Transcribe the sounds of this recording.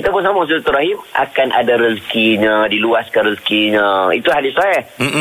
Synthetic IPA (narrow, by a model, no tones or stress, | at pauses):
kit̪apʊnsamãs̬uat̪uɾaɦima̰kanʔa̰daɾəskiɲadiluaskanrəskiɲə̃ḭt̪uhadisajah